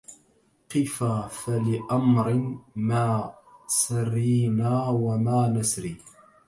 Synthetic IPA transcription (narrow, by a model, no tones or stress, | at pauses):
qɪfafalɪʔamɾɪmaːsarːiːnaːwamaːnasɾiː